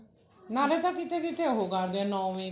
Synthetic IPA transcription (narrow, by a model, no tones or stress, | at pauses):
naɾet̪akit̪ed̪it̪eɦoɡaɾd̪enɔwmi